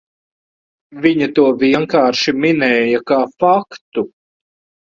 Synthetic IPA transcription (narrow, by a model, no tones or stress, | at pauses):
viɲat̪uɔviɛŋkaːɾʃiminɛːjakaːfakt̪u